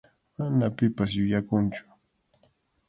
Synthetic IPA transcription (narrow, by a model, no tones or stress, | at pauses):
manapɪpas̬jʊjakʊnt͡ʃʊ̥